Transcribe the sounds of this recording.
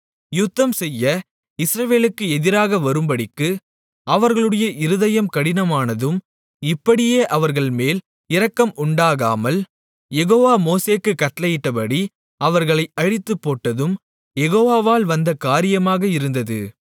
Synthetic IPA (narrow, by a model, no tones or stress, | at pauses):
jʊt̪ːɐmsɛjːɐ | ɪsɾɐʋeːlɯkːɯɛðɪɾaːɣɐʋɐɾɯmbɐɽɪkːɯ | ɐʋɐɾɣɐɭɯɽɐjɐʔɪɾɯðɐjɐmkɐɽɪnɐmaːnɐðɯm | ɪpːɐɽɪjeːʔɐʋɐɾɣɐɭmeːl | ɪɾɐkːɐmʊɳɖaːɣa̰ːmɐl | jɛɣoːʋaːmoːseːkːɯkːɐʈːlɐjɪʈːɐpɐɽi | ɐʋɐɾɣɐɭɐɪʔɐɻɪt̪ːɯpːoːʈːɐðɯm | jɛɣoːʋaːʋaːlʋɐnd̪ɐkaːɾɪjɐmaːɣɐɪɾɯnd̪ɐðɯ̰